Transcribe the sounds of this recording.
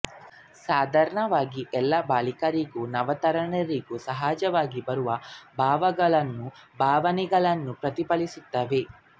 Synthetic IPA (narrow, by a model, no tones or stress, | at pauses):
saːd̪ʱaːɾɐɳɐʋaːɡiʔɛlːɐbaːlikɐɾiɡunɐʋɐt̪ɐɾɐɳɐɾiɡusɐɦaːd͡ʒɐʋaːɡibɐɾuʋɐbʱaːʋɐɡɐɭɐnːubʱaːʋɐnɛɡɐɭɐnːupɾɐt̪ipɐlisut̪ːɐʋe